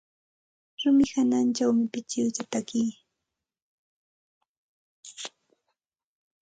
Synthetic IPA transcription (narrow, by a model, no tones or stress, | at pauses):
ɾʊmɪhanant͡ʃawmɪpɪt͡ʃɪwt͡ʃat̪akij